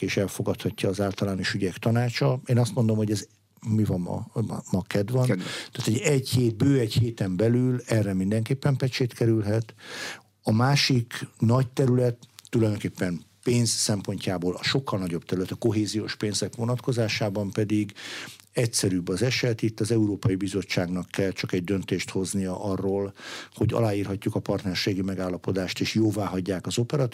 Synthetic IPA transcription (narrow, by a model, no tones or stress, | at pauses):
eːʃɛlfo̞ɡɒt̪hɒcːɒːzaːlt̪ɒlaːno̞ʃyɟɛkt̪ɒnaːt͡ʃɒeːnɒst̪mo̞nd̪o̞mho̞ɟɛz | mivɒnɒ̰mɒkɛd̪ʋɒnt̪aːt̪ʰːoɛɟheːt̪̚bøːɛɟheːt̪ɛmbɛlylɛrːɛmind̪ɛŋkeːpːɛmpɛt͡ʃeːt̪kɛɾylɦɛt̪ | ɒmaːʃiknɒct̪ɛɾylɛt̪ːulɒjd̪oŋkeːpːɛnpeːnzsɛmpo̞ɲcaːboːlɒʃo̞kʰːɒlnɒɟobt̪ɛɾylɛt̪ɒko̞ɦeːzijoːʃpeːnzɛkʋo̞nɒt̪ko̞zaːʃaːbɒmpɛd̪iɡ | ɛcsɛɾybːɒzɛʃɛt̪it̪ːɒzɛuɾoːpɒjibizo̞t͡ʃːaːɡnɒkːɛlt͡ʃɒkɛɟd̪ønt̪eːʃt̪ho̞znijɒʔɒrːoːlho̞ɟɒ̰laːiːrɦɒcːukɒpɒrt̪nɛrʃeːɡimɛɡaːlːɒpo̞d̪aːʃt̪eːʃjoːvaːɦɒɟːaːkɒzo̞pɛɾɒt̪